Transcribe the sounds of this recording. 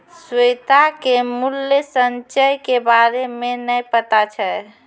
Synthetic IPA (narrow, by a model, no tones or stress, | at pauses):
swet̪akemuljəsənt͡ʃəjkebaɾemenəjpət̪at͡ʃʰə